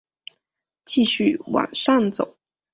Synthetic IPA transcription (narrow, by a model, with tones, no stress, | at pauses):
t͡ɕi˥˧ɕy˥˩wa̰˨˩nʂɑ˥˩ŋt͡so̰˨˩˦ʊ